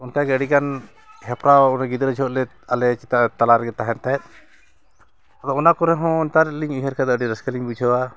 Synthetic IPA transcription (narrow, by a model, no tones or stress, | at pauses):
unkaɡɛəɖikan | ɦɛpɾaunaɡid̪ɾəd͡ʒʰɔɔʔ̪lɛ | alɛt͡ʃit̪at̪alaɾɡɛt̪aɦɛnt̪aɛt̪̚ˀ | ad̪ɔɔnakɔɾɛɦɔ̃nt̪aɾliɲuɦaɾkʰad̪ɔəɖiɾəskaliɲbud͡ʒʰəwa